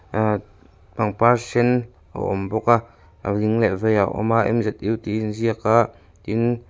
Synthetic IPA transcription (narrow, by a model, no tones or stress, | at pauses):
baŋpasɛn | ʔə̰ʔɔ̰mbɔkaʔ | ə̰liŋlɛʔvɛjaʔɔ̰maʔɛ̰mzɛt̪̚iwt̪inziəkaʔ | t̪in